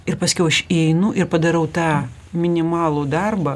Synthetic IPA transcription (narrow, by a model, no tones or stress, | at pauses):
ɪɾpɐsʲkʲɛʊɐʃiɛɪnʊʔɪɾpɐd̪ɐɾɐʊt̪ɑː | mʲɪnʲɪmɑːlˠuːd̪ɐrbɐ